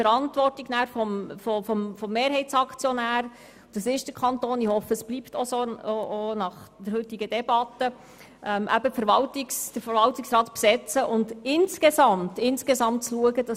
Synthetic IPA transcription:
fəɾɑntʋɔrtiɡnæːɾfɔmfɔfɔmfɔmːeːɾɦɛɪt͡sɑkt͡sjɔnæːɾ | d̥ɑsɪʃd̥əkʰɑntoːnihɔfəəsb̥liptɔsoonɑχd̥əɾhɵtɪɡəd̥ɛb̥ɑtə | ʔɛmʔæ̰bəfəɾʋɑltɪksd̥əfəɾvɑltɪksrɑːtpsɛt͡səʔʊndɪnskezɑmtɪnskezɑmtt͡sluəɡəd̥ɑ

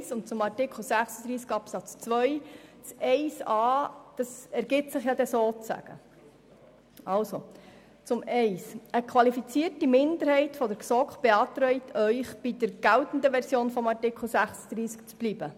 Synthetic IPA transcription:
sʊnt̚t͡sʊmɑrtɪkʰl̩ˠsæχsəd̥̪ɾiːskɑpsɑt͡st͡sʋœʏt͡sɛɪsɑːd̥ɑsæɾɡ̥ɪtsɪχjɑd̥̪ɛsoːt͡sæ̰ɡ̥ə̰ | ɑlso | t͡sʊmɛɪsəkʰʋɑlifit͡siːərtimɪnd̪əɾhɛɪtfɔdəɾksɔkχb̥eɑt̪ɾœjtʰœʏχb̥id̥əɾɡ̥æltn̩d̪əʋɛɾsjoːnfɔmɑrtɪkl̩sæχsəd̥̪ɾiːsk̚t͡sb̥liːb̥ə

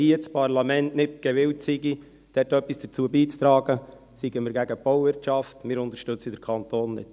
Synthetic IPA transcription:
hiət͡spʰɑɾlɑmɛntnɪtɡ̥ɛʋɪwtsiɡi | d̥ɛtœpːisd̥ət͡suəbiːt͡st̪ɾɑːɡə | siɡəməɾɡæɡəb̥ɔwvɪɾtʃɑftmɪːɾʊnt̪əɾʃtɵt͡sədəɾkʰɑnt̪oːnːɪ̰t

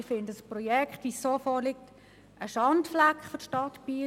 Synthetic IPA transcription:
fɪndəəsprɔjɛkχtʋiːsːoːfɔːlɪk̚t | əʃɑntflakχfoʃtɑtb̥iː

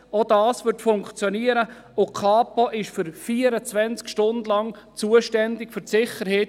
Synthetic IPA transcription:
od̥ɑːsvʏtfʊŋkt͡sjoniəɾə | ʊkʰɑːpoʔɪʃfʏɾfiːəɾət͡svɛnt͡skʃtʊndlɑŋ | t͡suːəʃtɛndɪkfʏɾtsɪχəɾheːt

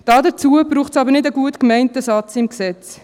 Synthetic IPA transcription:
d̥ɑːdət͡suəbɾuːχtsɑbəɾnɪdəɡuətkmɛɪntəsɑt͡sɪmksɛt͡s

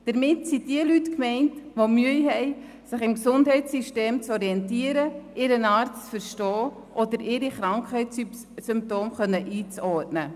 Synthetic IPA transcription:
d̥əɾmɪtsidiəlytkmɛɪntʋomyəiɦɛɪ | sɪχɪmksʊnd̥ɦɛɪsiʃteːmt͡sɔɾiɛntiəɾəʔɪɾənɑːɾtt͡sfəɾʃtɔː | ʔodəɾʔɪɾiχɾɑŋkχɛɪ | sʏmp̚toːmχœnːəʔiːt͡sɔɾtnə

